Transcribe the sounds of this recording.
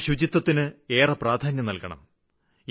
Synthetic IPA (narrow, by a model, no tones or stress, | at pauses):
ɕud͡ʑit̪ːɐt̪ːinɨe̞ːrɐpraːd̪ʱaːnjɐmnɐlkɐɳɐ̰m